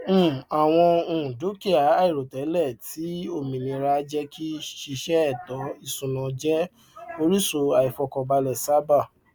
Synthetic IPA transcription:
m̩˦˨a˨w̃ɔ̃˧õ˨du˨˦ki˦a˨˦a˦˨i˨ɾo˨tɛ˨˦lɛ˦˨tʰi˨˦o˦˨mĩ˨nĩ˧ɾa˧˦d͡ʒɛ˦kʰi˦ʃi˧ʃɛ˦ɛ˦˨tɔ˨˦i˦˨sũ˨nã˧d͡ʒɛ˦ | o˧ɾi˦so˧a˨i˨fɔ˧kɔ˧ba˧lɛ˨sa˨˦ba˦˨

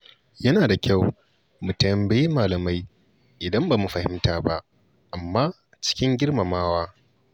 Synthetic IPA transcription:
jɐ˦naː˨da˨kʲʰa˦˨w | mʊ˨tɐ˨˦mbɐ˦ji˦maː˨lɐ˨ma˦j | ʔɪ˨dɐ˦mbaː˨mu˨ɸɐ˨hɪ̰˦mtaː˦ba˦ʔ | ʔa˨mːaː˦ | t͡ʃɪ̥˦kʲɪ˦ŋɡʲɪ˦rma˨maː˦waː˦

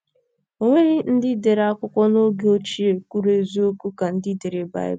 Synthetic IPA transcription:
o˨ŋʷe˦ɾɪ˦n̩˦dɪ˦de˨ɾa˦kʷʊ˦kʷɔ˦no˦ɡe˦o˦t͡ʃi˦e˨kʷu˦ɾe˨zu˦o˦kʷu˦ka˨n̩˦dɪ˦de˨ɾe˨ba̰˦˨ɪ̰˦

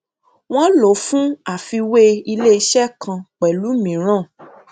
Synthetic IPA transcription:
w̃ɔ̃˦lo˨˦fũ˦a˨fi˧we˦i˧le˦i˧ʃɛ˦kʰã˧k͡pɛ˨lu˨˦mĩ˨˦ɾ̃ã˦˨

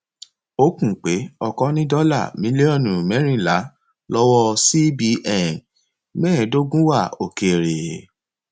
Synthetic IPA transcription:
o˦kũ˦˨k͡pe˨˦ɔ˦˨kɔ˦nĩ˦dɔ˦la̰˦˨mĩ˦li˦ɔ˦˨nũ˨mɛ̃˨˦ɾ̃ĩ˦˨la˨˦ | lɔ˦wɔ˦si˦bi˧˦ʔɛ˦˨n | mɛ̃ː˦˨do˦ɡũ˦wa˦˨o˨ke˨ɾe˨

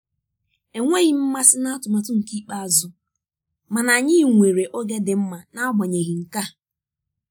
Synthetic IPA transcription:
e˨ŋʷe˦ɣɪ˦m̩˦ma˦sɪ˦na˦a˦tʊ˨ma˨tʊ˦ŋ̩˨ki˦k͡pa˦a˨zʊ˦ | ma˨na˨ɲɪ˦˨ŋʷe˨ɾe˨ʔo˦ɡe˦dɪ˨m̩˦ma˨na˦ɡ͡bɔ˨ɲe˨ɣi˨ŋ̩˨ka˦

